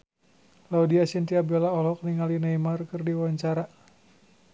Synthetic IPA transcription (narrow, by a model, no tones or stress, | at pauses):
laudiasint̪iabɛlaɔlɔk̚niŋalinaimarkɨrdiwaɲt͡ʃaɾa